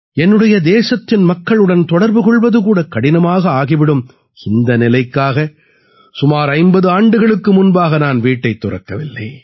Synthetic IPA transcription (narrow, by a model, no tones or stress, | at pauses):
ɛnːɯɽɐjɐd̪eːsɐt̪ːɪnmɐkːɐɭɯɽɐnt̪ɔɽɐɾbɯkɔɭʋɐðɯkuːɽɐkːɐɽɪnɐmaːɣɐaːɣɪʋɪɽɯm | ɪnd̪ɐnɪlɐɪkːaːɣɐ | sʊmaːɾɐɪmbɐðɯaːɳɖɯɣɐɭɯkːɯmʊnbaːɣɐnaːnʋiːʈːɐɪt̪ːʊrɐ̰kːɐʋɪlːɐ̰ː